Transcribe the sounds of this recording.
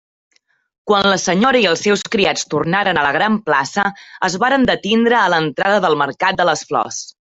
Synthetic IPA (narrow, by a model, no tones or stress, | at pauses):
kwanləsəɲoɾəiəlˠsːɛwskɾiat͡st̪urnaɾənələɣɾamplasəəzβaɾənd̪ət̪ind̪ɾəːlənt̪ɾaðəðəlˠmərkat̪̚d̪ələsflɔ̰s